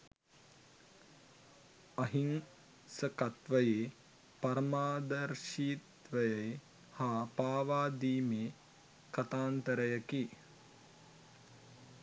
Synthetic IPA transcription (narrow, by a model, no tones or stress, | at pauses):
ɐɦiŋ | səkɐt̪ʋəjeː | pɐɾmaːd̪ɐɾʃiːt̪ʋəjəj | haːpaːʋaːd̪iːmeː | kɐt̪aːnt̪əɾəjəki